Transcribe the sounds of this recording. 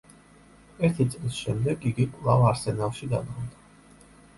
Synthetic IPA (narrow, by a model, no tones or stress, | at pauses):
ɛɾt̪ʰit̪sʼlisʃɛmd̪ɛɡiɡikʼwlˠavaɾsɛnalˠʃid̪ad̪ʼɔmd̪a